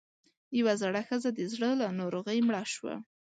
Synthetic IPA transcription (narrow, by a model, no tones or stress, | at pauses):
jawazaɽaxəzad̪əzɽəlanɑɾoɣəjmɽɑʃwa̰